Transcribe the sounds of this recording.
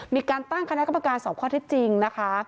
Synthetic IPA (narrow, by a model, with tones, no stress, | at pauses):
miː˧kaː˧nt̪a˥˩ŋkʰa˧na˦˥ʔka˧ma˧kaː˧nsɔː˨˩˦p̚kʰɔː˥˩t̪ʰi˦˥t̪̚t͡ɕi˧ŋna˦˥kʰa˦˥